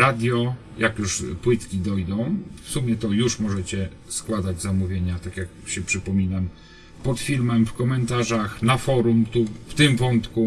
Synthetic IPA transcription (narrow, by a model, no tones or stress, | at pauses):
ɾad̪ʲjɔ | jʔakjuʂpwɘt̪kʲid̪ɔjd̪ɔ̃w̃fsumʲjɛt̪ɔjuʂmɔʐɛt͡ɕɛ | skwad̪ad͡ʑzamuvʲjeɲat̪akʲjakɕɛpʂɘpɔmʲinam | pɔt̪fʲilmɛmfkɔmɛnt̪aʐaxnafɔɾumt̪uft̪ɘmvɔnt̪ku